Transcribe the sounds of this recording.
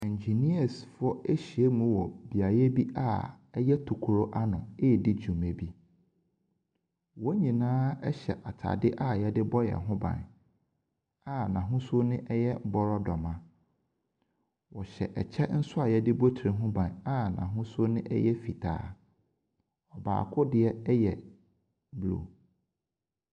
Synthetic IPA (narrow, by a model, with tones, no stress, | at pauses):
ɛ̃˨ɲ˨d͡ʑi˨ni˦a˨sfʊ˦ɔ˦e˦ɕi˨e˦mũ˦wɔ˨bi˨a˨jɛ˦bi˦ʔa˦ | ɛ˦jɛ˦tʰu˨kʰu˨ɾo˦ʔa˦nʊ̃˨e˦˨dɪ˦d͡ʑᶣũ˨mẽ˨bi˦ | wɔ˦ɲĩ˨nãː˦ɛ˦ɕɛ̰˨ʔa˨tʰa̰˨dɪ˦ʔa˦jɛ˦dɪ˦bɔ˦jɛ̰˨ɦʊ̃˦bã̰˨n | a˨nã˨ɦʊ̃˦so˦nɪ̃˦ʔɛ˦jɛ˦bɔ˦ɾɔ˦dɔ˨mã˦ | wɔ˨ɕɛ̰˨ʔɛ˨t͡ɕʰɛ˦n̩˦sʊ˦a˨jɛ˦dɪ˦bo˦tʰi˨ɦʊ̃˦bã˨na˦nã˨ɦʊ̃˦so˦nɪ̃˦ʔɛ̰˦jɛ˦fi˨tʰa̰ː˨˦ | ɔ˨ba̰ː˨kʰʊ˦dɪ˨ɛ˦ɛ˦jɛ˨ | blo̰˨